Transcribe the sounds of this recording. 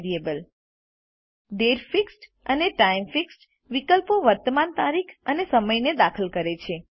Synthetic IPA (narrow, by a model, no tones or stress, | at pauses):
ɾiebəl | ɖeɾfiksʈ | əneʈaimfiksʈ | ʋikəlpoʋəɾt̪əmant̪aɾikʰənesəməjned̪akʰəlkəɾet͡ʃʰe